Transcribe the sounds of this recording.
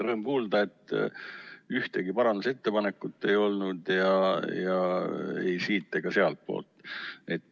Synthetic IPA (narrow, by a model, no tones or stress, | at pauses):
rɤːmkuːld̪̥ɑe̞t̪ːˑ | yht̪eɡipɑɾɑnd̪use̞t̪ːe̞pɑne̞kːˑut̪ːe̞jo̞lnud̪̥jɑjɑḛjsiːt̪ːˑeɡ̥ɑse̞ɑlt̪̚po̞̰ːlt̪ːˑe̞t̪ː